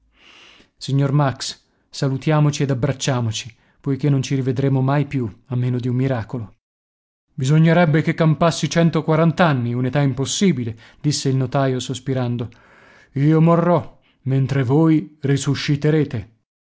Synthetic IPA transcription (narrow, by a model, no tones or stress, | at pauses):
siɲːormaks | salut̪jaːmot͡ʃied̪abːɾat͡ʃːaːmot͡ʃi̥ | pojk̟enːont͡ʃiɾived̪ɾemomajpjuamːeːnod̪iumːiɾaːkolo | bizoɲːeɾɛbːekekːampasːit͡ʃɛnt̪okwaɾant̪anːiunet̪aimposːiːbile | d̪isːeilnot̪aːjosospiɾand̪o | iːomorːɔ | ment̪ɾevoːjrisuʃːit̪eɾeːt̪e